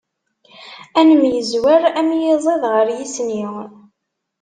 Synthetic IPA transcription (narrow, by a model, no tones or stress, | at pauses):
ænəmjəzwæɾæmjizˤeðʁəɾjisniw